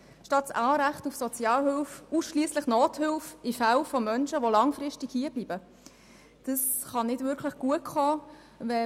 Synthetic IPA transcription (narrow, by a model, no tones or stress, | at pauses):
ʃtɑtsɑːɾæχtufsɔt͡sjɑːlɦʏlfusʃliːəsləχnoːthʏlfifælfomœnʃəʋolɑŋfɾɪʃtikhiəblib̥ə | d̥əsχɑnɪdvʏɾkʰləχɡ̥uətχɔː | vɛ